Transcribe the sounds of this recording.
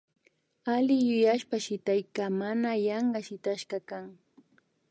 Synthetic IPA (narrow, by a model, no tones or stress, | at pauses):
alɪjʊjaʃpaʃɪt̪ajkamanajɑɴɢɑʃɪt̪aʃɢɑkaŋ